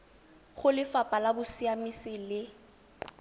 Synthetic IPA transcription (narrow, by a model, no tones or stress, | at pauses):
χʊlɪfapʼalabʊsiamisɪlɪ